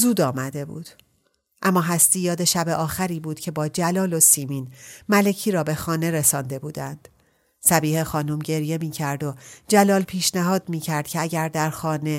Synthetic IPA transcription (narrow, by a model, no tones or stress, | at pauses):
zuːd̪ɒːmæd̪e̞bṵːd̪̥ | ʔæmːɒːɦæst̪iːjɒːd̪e̞ʃæbeʔɒːxæɾiːbuːd̪̥cʰe̞bɒːd͡ʒælɒːlo̞siːmiːnmælecʰiːɾɒːbe̞xɒːne̞ɾe̞sɒːnd̪e̞buːd̪ænd̪̥ | sæbiːhe̞xɒːnumɟe̞ɾje̞miːcʰæɾd̪o̞d͡ʒælɒːlpʰiːʃnæɦɒːd̪miːcʰæɾd̪̥̚cʰeæɟæɾd̪æɾxɒːne̞